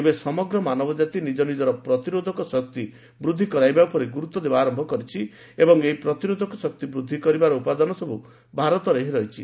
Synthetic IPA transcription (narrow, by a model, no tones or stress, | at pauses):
besɔmɔɡɾɔmanɔbɔd͡ʒat̪inid͡ʒɔnid͡ʒɔɾɔpɾɔt̪iɾod̪ʱɔkɔsɔk̚t̪i | bɾud̪ʱːikɔɾajbaupɔɾeɡuɾut̪ːɔd̪ebaːɾɔmbʱɔkɔɾit͡ʃʰi | ebɔŋeɦipɾɔt̪iɾod̪ʱɔkɔsɔk̚t̪ibɾud̪ʱːikɔɾibaɾɔupad̪ɔnɔsɔbu | bʱaɾɔt̪ɔɾeɦiɾɔjt͡ʃʰi